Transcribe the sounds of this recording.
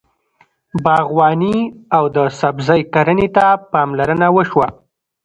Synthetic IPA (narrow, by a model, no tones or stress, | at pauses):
bɑɣwɑniawd̪əsabzajkaɾənet̪apɑmlaɾənawəʃwa